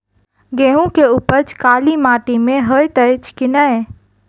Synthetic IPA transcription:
ɡeɦũkeupət͡ʃkaːlimaːʈimẽɦəjt̪ət͡ʃʰkinəj

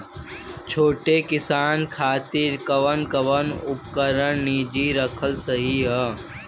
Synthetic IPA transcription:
t͡ʃʰoːʈekɪsaːnkʰaːt̪iɾkəʋənkəʋənʊpkəɾəɽniːd͡ʒiɾəkʰəlsəɦiɦə

